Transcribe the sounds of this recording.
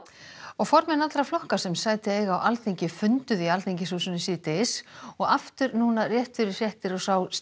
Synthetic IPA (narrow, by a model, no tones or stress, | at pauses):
ɔɣfɔɾmɛnat̪lɾaflɔhkasɛmsaːjt̪ɪeːjɣawʔalθiɲcɪfʏnt̪ʏðialθiɲcɪsuːsʏnʏsiːt̪ɪsɔɣaft̪ʏɾnuːnarjɛht̪fɪɾɪɾ̥r̥jɛht̪ɪɾɔsaws